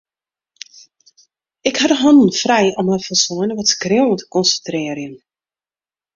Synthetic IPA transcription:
ɪkhadəɦɔndn̩frɛjɔməfərsɔənəʋɔtskrɪwətə̥kɔnsəntrɪərjən

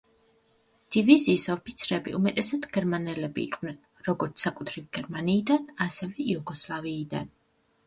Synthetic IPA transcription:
d̪̥iviziːsɔpʰit̪sʰɾɛbḭʔumɛt̪ʼɛsad̪ɡɛɾmanɛlɛbḭːqʼvnɛn | ɾɔɡɔɾt̪sakʼut̪ʰɾivɡ̥ɛɾmaniːd̪anasɛvɛjuɡɔslˠaviːd̪a̰n

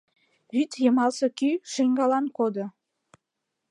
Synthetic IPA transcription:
βyt̪jəmɑlsɤkyʃeŋɡɑlɑnkod̪o

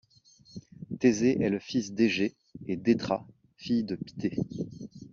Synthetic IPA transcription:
t̪ezeʔɛləfisd̪eʒeː | d̪et̪χa | fijd̪əpi̥t̪e

